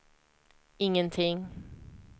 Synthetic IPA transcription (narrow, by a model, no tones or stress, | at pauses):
ɪŋːənt̪ʰɪŋ